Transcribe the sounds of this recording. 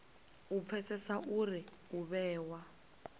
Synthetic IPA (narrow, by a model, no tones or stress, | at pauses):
up̪fʰɛsɛsaʔuri | uβɛːwa